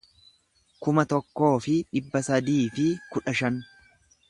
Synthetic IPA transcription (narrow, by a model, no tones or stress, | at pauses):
kʊmɐt̪ɔkːo̞ːfɪᶑɪbːɐsɐd̪iːfɪkʊᶑɐʃɐn